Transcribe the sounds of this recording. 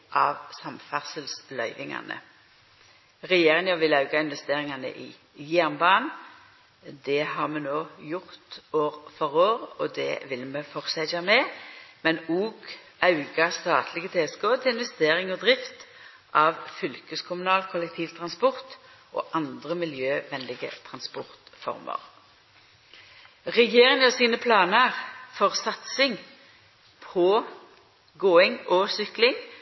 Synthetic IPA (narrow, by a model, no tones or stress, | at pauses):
ʔɑʋsɑmfæʁsəlslœʏʋɪŋɑ̰nə̰ | ʁɛjeːʁɪŋɑʋɪlɑʉɡɑɪnʋɛst̪eːʁɪŋɑnə̰ʔɪ | jæʁnbɑːn | d̪ɛhɑʁmɛnoːjʊʁt̪oːʁfɔʁoːʁɔd̪ɛ̰ʋɪlmɛfɔʁsæɑnɛmɛnuːɡɑʉɡɑst̪ɑːt̪ʰlɪɡət̪ʰeːɛskoːt̪ʰɪlɪnʋɛst̪eːɾɪŋɔd̪ʁɪft̪ | ʔɑʋfʏlkəskʰʊmʉnɑːlkʰʊlɛkt̪ʰiːʋt̪ʰʁɑnspɔʁt̪ | ʔo̰ːʔɑnd̪ʁəmɪljøːʋɛnlɪɡə̰t̪ʰʁɑnspɔʁt̪fɔ̰ʁmə̰ʁ | ʁɛɡjeːʁɪŋəsiːnəpʰlɑːnəʁfɔʁsɑt̪sɪŋ | pʰɔ | ɡoːɪŋʔɔsʏklɪŋ